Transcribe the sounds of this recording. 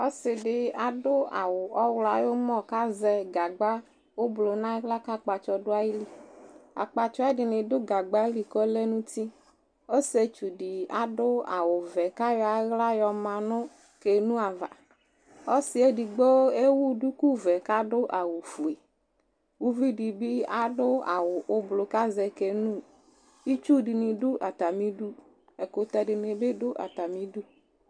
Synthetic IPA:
ɔ˦sɪ˨ɖɪ˨a˨dʊ˦a˨wʊ˨ɔ˦wla˨jo˦mɔ˦ka˦zɛ˨ɡa˨ɡ͡ba˦ | wo˦blo˨nã˦ɣla˦ka˦k͡pa˨t͡ʃɔ˨dʊ˦a˦ji˦li˨a̰˨k͡pa˨t͡ʃɔ˦a˦dɪ˨lɪ˨dʊ˦ɡa˨ɡ͡ba˦li˨kɔ˦le˦nũ˦t̪i˦ | o˦se˨t͡ʃu˨dɪ˨a̰˨dʊ˦a̰˨wʊ˨vɛ˨ka˦jɔ˨a˨˦ɣla˦jɔ˨mã˨nʊ˦ | ke˨nũ˦a˨va̰˨ | ɔ˦sɪ˦e˦di˨ɡ͡bo˦e˦wu˦du˦ku˦vɛ˨ka˦ɖʊ˦ʔa˨wu˨fu˨e˨ | wu˦vi˦di˨bi˦a˦dʊ˦a̰˨wʊ˨ʔʊ˨blo˨ka˦zɛ˨ke˨nũ˦˨ | i˦t͡ʃu˦di˨nĩ˨dʊ˦ʔa˨t̪a˨mĩ˦du˦ | e˨ko˨t̪ɛ˨ɖɪ˨ne˨be˦dʊ˦ʔa̰˨t̪a˨mĩ˨˦du˦

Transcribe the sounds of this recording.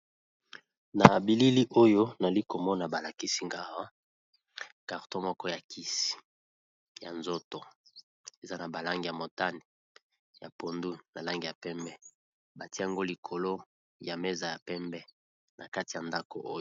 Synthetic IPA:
na˨bi˨li˦li˦ʔo˦jo˦na˨li˦ko˨mɔ˦na˨ba˨la˨ki˦si˦ŋɡa˨ʁa˦ | ka˨ʁtõ˦mɔ˦kɔ˦ja˨kʰi˦si̥˨ | ja˨nzo˦to˨ | e˨za˦na˨ba˨la˦ŋɡi˨ja˨mo˨ta˦ni˨ | ja˨po˨ndu˦na˨la˦ŋɡi˨ja˨pɛ˦mbɛ˦ | ba˨ti˦a˨ŋɡo˦li˨kʰo˨lo˦ | ja˨me˦za˨ja˨pɛ˦mbɛ˦ | na˨ka˦ti˨ja˨nda˦ko̰˨ʔo˦

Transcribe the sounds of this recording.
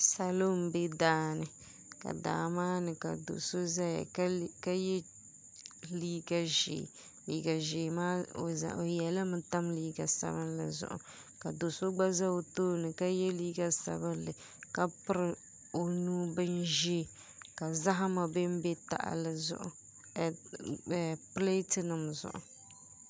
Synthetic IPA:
sa˨lo˦m̩˨be˦daː˨˦nɨ˨ | ka̰˨da̰ː˨maː˦nɨ˨ka˨do̰˨so˦za˦ja̰˨˦ka˦jɛ˦ | liː˦ɡa˦ʒḛː˨ | liː˦ɡa˨ʒeː˨maː˦o̰˨za̰˨ʔo˨jɛ˨la˦mɨ˦ta˦mliː˦ɡa˨sa̰˦bɨ˦nla̰˨zʊ̰˨ʔʊ̰˨ | ka˨do˨so˦ɡ͡ba˦za˦o˨toː˦nɨ˨ka˦jɛ˦liː˦ɡa˨sa̰˨bɨ˦nlɨ˨ | ka˦pɨ˦ɾɨ˨ | o˨nuː˦bɨ˦nʒi˦ | ka˨za˦ɦa˦ma˨bɨ˦m˦bɛ˦ta̰˨ʔa̰˨lɨ˨zʊ̰˨ʔʊ̰˨ | pɨ˦le˦tɨ˦nɨ˨mzʊ̰˨ʔʊ̰˨

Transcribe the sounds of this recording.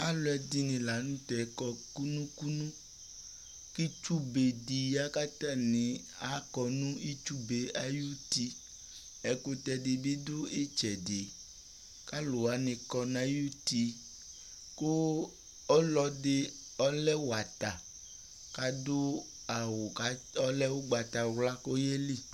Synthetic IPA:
a˦lʊ˨˦ɛ˨d̪i˦nĩ˨la˨˦nũ˦t̪ɛ˨˦kɔ˨ku˦nũ˦ku˦nũ˦ | ki˦t͡ʃu˦be˨di˨ja˦ka˦t̪ã˦nĩ˨ | a˨˦kɔ˨nũ˦i˦t͡ʃu˦be˨a˨ju˦t̪i˦ | ɛ˨ko˨t̪ɛ˨de˨bi˦d̪o˦e˦t͡ʃɛ˨de˨ | ka˦lo˨a˨˦nɪ̃˨kɔ˨nã˨˦ju˦t̪i˦ | ko˦ | ɔ˦lɔ˨de˦ | ɔ˦lɛ˦wo˨a˨t̪a˨ | ka˦do˦ | a˨wo˨ka˨ | ɔ˦lɛ˦wo˦ɡ͡ba˨t̪a˨wla˦ko˦je˦li˦˨

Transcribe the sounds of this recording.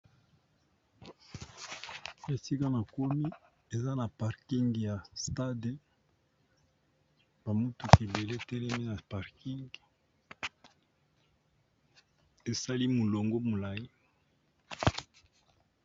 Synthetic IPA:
e˨si˦ka˦na˨ko˦mi˦ | e˨za˦na˨pa˨ʁki˦ŋɡja˨sta˦de˨ | ba˨mo˦tu˨ke˨be˨le˦˨tɛ˦lɛ˦mi˦na˨pa˨ʁki˦ŋɡ | e˨sa˦li˦mu˨lo˨ŋɡo˦mo˨la˨i˦

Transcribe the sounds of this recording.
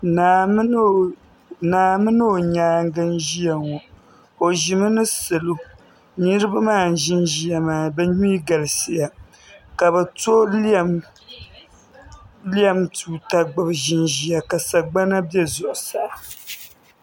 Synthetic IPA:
na˨˦ | naː˨mɨ˦nɨ˦o˨ɲaː˦ŋ˦ɡɨ˦nʒi˦ja˨ŋɔ˨ | o˨ʒi˨mɨ˦nɨ˦sɨ˨lo˦ | ni˦ɾɨ˦ba˦maː˦˨n̩˨ʒɪ˦nʒi˦ja˨maː˨bɛ˦ɲu˦i˦ɡa˨lɨ˨si˦ja˨ | ka˨bɛ˨to˦lm | li˦a˦mtuː˦ta˦ɡ͡bɨ˨bʒɪ˦nʒi˦ja˨ka˨sa˨ɡ͡ba˦na˦bɛ˦zʊ˨ʔsa˨

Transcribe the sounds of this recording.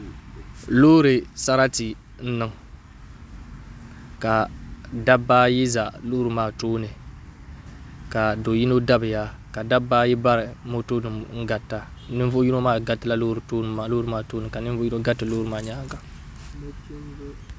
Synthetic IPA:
lo˦ɾɨ˨sa˦ɾa˦ti˨ | n̩˦nɨ˦ŋ | ka˨da˦bːaː˦ji˦za˨lʊ˦ʊ˦ɾɨ˨maː˦toː˦nɨ˨ | ka˨do˨ji˦no˦da˦bɨ˨ja˦ | ka˨da˦bːaː˦ji˦ba˦ɾɨ˨mo˦to˦nɨ˨ŋ̩˦ɡa˨tːa˨nɨ˦vo˦ji˦no˦maː˦ɡa˨˦tɨ˦la˦lʊ˦ʊ˦ɾɨ˨toː˦n˨ma˨lo˦ʊ˦ɾɨ˨maː˦toː˦nɨ˨ka˨nɨ˦vo˦ji˦no˦ɡa˦tːɨ˨lo˦ɾɨ˨maː˦˨ɲa˦ɡa˨˦

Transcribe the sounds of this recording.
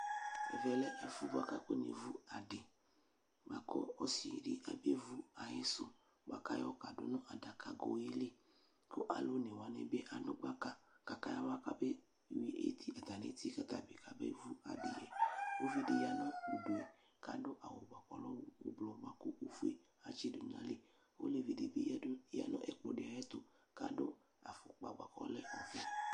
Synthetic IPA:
ɛ̰˨vɛ˨lɛ˦ʔɛ˨fu˦ba˨ka˦ko˦nḛ˨vu˦a˨dɪ˨ | ɡ͡ba˨kɔ̰˦ɔ˦si˨ɖi˦ʔa̰˨be˦vu˦a˨je˦sʊ˦ | ɡ͡ba˦ka˦jɔ˦ka˨dʊ̰˦nʊ̃˦ʔa˨da˨ka˨ɡo̰˨je˦le˦ | kʊ˦ʔa˨lo˦nẽ˨wa˨nḛ˨be˦ʔa˨nʊ˦ɡ͡ba˦ka˦ka˨ka˦ja˦wa˦ka˦be˦˨ | wi˨ʔḛ˦t̪i˦a˨t̪a˨nḛ˨˦t̪i˦ka˦t̪a˨bi˨ka˨bḛ˦vu˦a̰˨bi˦lɛ˨wo˦vi˦de˨ja˦nɔ̃˦o˨do˨ɛ˨ | ka˨dʊ˦ʔa˨wo˨ɡ͡ba˨kɔ̰˨˦lɔ˦wo˦blɔ˨˦ɡ͡ba˦ko˦o˦fu˦e˦ | a˨t͡ʃe˦do˨ɲ˨ã̰˦le˦ | o̰˦le˨vi˨de˨be˦ja̰˦nɔ̃˦ʔɛ˦k͡pɔ˨de˨a˨jɛ˦t̪o˨ | ka˨dʊ˦ | a̰˨fo˨k͡pa̰˨ɡ͡ba˨kɔ̰˦lɛ˦ɔ˨fi˦

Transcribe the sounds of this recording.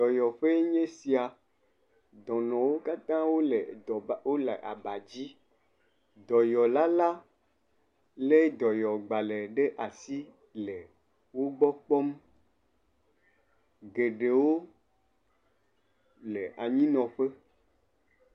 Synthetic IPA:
d̪ɔ˨jɔ˨ɸe˦ɲẽ˦si˨a˨ | d̪ɔ̃˨nɔ̃˨wo˦ka˦t̪ã˦wo˦le˨wo˦le˨ʔa˨ba˨d͡ʑi˦ | d̪ɔ˨jɔ˨la˦la˦ | le˦d̪ɔ˨jɔ˨ɡ͡ba˨le˨ɖe˦ʔa˨si˦ | le˨ | wo˦ɡ͡bɔ˦k͡pɔ˦m | ɡe˨ɖe˨wo˦ | le˨ʔa˨ɲĩ˦nɔ̃˨ɸe˦

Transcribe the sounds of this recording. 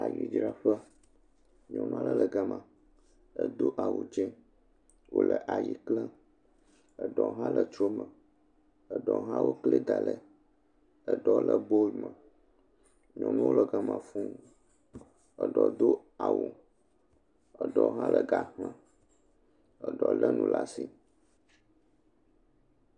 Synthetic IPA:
a˨ji˨d͡ʒɾa˦ɸə˦ | ɲɔ̃˨nũ˦a˦lə˦lə˨ɡa˨mã˨ | ə˨d̪o˦ʔa˨wu˨d͡ʒɛ˦ | wo˦lʔə˨ʔa˨ji˨klə˦ | ə˨ɖɔ˨ɦã˦lə˨t͡ʃɾo˦mə̃˨ | ə˨ɖɔ˨ɦã˦wo˦klə˦d̪a˨lə˨ | ə˨ɖɔ˦lə˨bo˦˨mə̃˨ | ɲɔ̃˨nũ˦wo˦lə˨ɡa˨mã˨fũ˦ | ə˨ɖɔ˨d̪o˦ | a˨wo˨ | ə˨ɖɔ˨˦ɦã˦lə˨ɡa˨hã˨ | ə˨ɖɔ˨lə˦nũ˦la˨si˨

